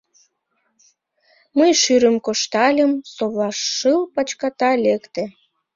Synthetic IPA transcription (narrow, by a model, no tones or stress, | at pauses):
məjʃyɾəmkoʃt̪ɑlʲəmsoβɑʃːɯlpɑt͡ɕkɑt̪ɑlʲekt̪ĕ